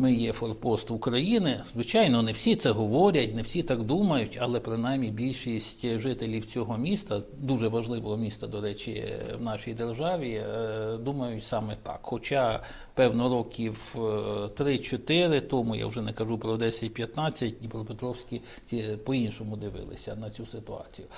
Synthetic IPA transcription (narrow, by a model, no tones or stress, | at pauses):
mɪjɛfɔrpɔst̪ʊkɾɐjinɪzʋɪt͡ʃɑjnɔnɛwsʲit̪sɛɦɔʋɔɾʲɐtʲnɛwsʲit̪ɑɡd̪umɐjʊtʲɐlˠɛpɾɪnɑjmʲːibʲilʲʃisʲtʲʒɪt̪elʲiwt͡sʲɔɦɔmʲist̪ɐd̪uʒɛʋɐʒlˠɪʋɔɦɔmʲist̪ɐd̪ɔɾɛt͡ʃʲḭwnɑʃijd̪erʒɑʋʲid̪umɐjʊtʲsɑmɛt̪ɑ̰kxɔt͡ʃɑ | pɛwnɔɾɔkʲʰiw | t̪ɾɪt͡ʃɔt̪ɪɾɪt̪ɔmʊja̰ʊʒɛnɛkɐʒupɾɔd̪ɛsʲɐt̚ʲpjɐt̪nɑt͡sʲːɐt̚ʲnʲipɾɔpet̪ɾɔwsʲkʲi | t͡sʲipɔinʃɔmʊd̪ɪʋɪ̰lˠɪ̰sʲɐnɐt͡sʲusɪt̪ʊɑ̰t͡sʲijʊ